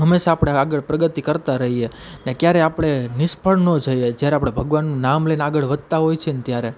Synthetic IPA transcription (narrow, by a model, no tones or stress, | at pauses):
ɦəmːeʃaːpɽ̃eaɡəɭpɾəɡət̪ikəɾt̪aɾəɦije | nekjaɾeapɽ̃enɪʃpʰəɭnod͡ʒəjed͡ʒjaɾeapɽ̃ebʱəɡʋanːũnamlenaɡəɭʋəd̪̚t̪aɦojt͡ʃʰent̪jaɾe